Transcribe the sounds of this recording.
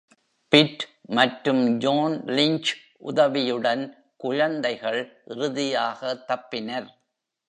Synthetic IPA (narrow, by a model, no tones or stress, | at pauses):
pɪʈmɐʈɾɯmd͡ʒoːnlɪɲt͡ʃ | ʔʊ̰ðɐʋɪjɯɽɐn | kʊɻɐnd̪ɐɪɣɐɭʔɪrɯðɪjaːɣɐt̪ːɐpːɪnɐɾ